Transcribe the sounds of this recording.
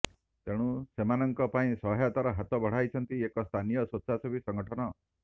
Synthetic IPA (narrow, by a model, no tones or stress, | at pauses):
t̪eɽ̃ũsemanɔŋkɔpaĩsɔɦjat̪aɾɔɦat̪ɔbʱɔɽ̤ajt͡ʃʰɔnt̪iekɔst̪ʰanijɔsɔt̪ːsasubʱisɔŋɡɔʈʰɔnɔ